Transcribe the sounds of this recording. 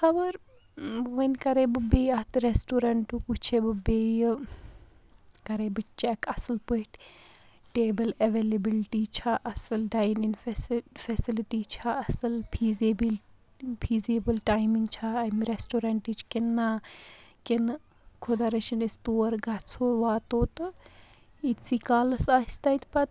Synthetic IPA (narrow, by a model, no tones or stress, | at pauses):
hɐbəɾ | ʋənkɐɾebɨbejɐt̪ɾesʈuɾɐɳʈukut͡ʃʰebɨbej | kɐɾeːbɨt͡ʃɛkɐsɨlpɨiʈ | ʈeːbɐlɐʋeːlebilʈit͡ʃʰaʔɐsɨlɖajninfsfesiliʈit͡ʃʰaɐsɨlpʰiːzebil | pʰiːzeːbəlʈaːjmiŋɡt͡ʃʰaːɐmɾesʈoːɾaɳʈit͡ʃʰkenːaːken | kʰod̪aɾɐʃinist̪oːɾɡat͡sʰoːʋaːt̪oːt̪ɨ | it̪sikaːlɐsaːist̪ɐjt̪pɐt̪̚